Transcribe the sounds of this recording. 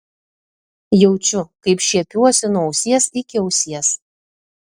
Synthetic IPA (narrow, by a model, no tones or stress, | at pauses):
jɛʊt͡ʃʲʊkɐɪpʃʲiɛpʲuɔsʲɪnuɔɔʊsʲiɛsɪkʲɪɔʊsʲiɛs